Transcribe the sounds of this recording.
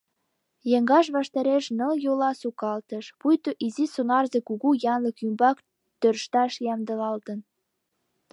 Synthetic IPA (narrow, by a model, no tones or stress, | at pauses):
jəŋɡɑʃ̬βɑʃt̪ɑɾeʃnə̆ljolɑsukɑlt̪əʃpujt̪oʔizisonɑrzekuɣujɑnləkymbɑk | t̪ørʃt̪ɑʃjɑmd̪ə̆lɑlt̪ən